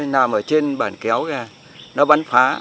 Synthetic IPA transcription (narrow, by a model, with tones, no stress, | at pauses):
naː˨˩mʔəː˧˩t͡ɕe˧nɓa̰ː˧˩nkɛ˨˦wɣaː˧˩ | nɔ˨˦ɓa˨˦ŋfaː˨˦